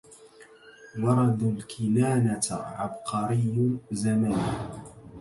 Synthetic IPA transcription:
wɑɾˤɑd̪alkʰɪlaːnat̪ʕɑ̰bqɑɾɪjːzaman

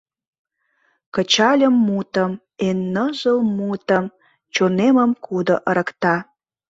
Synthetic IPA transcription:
kət͡ɕɑlʲəmːut̪əm | enːəʒəlmut̪əm | t͡ɕoneməmkud̪oʔəɾə̆kt̪ɑ

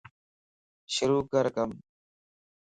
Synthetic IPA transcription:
ʃʊɾuːkəɾkəm

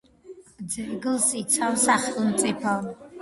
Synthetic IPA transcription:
d͡zɛɡɨlsit͡sʷʰawsaχʼnt͡sʼipʰal

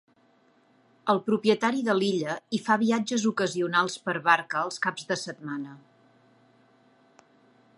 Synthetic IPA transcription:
əlˠpɾupiət̪aɾiðəliʎəifaβ̞iad͡ʒəzukəziunalˠspəɾβaɾkəːlˠskabzðəsət̪̚manə

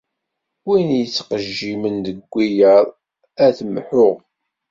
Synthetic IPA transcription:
winjət͡sːqəʒːimənd̪əɡʷːijəɾˤ | æθmħʊʁ

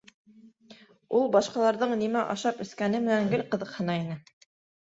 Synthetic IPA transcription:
ulˠbɑʃqɑlˠɑɾðɤɴnimæʔɑʃɑpɵ̆skænɘmɘ̆næŋɡɘlqɤ̆ðɤ̆qhɤ̆nɑinɘ

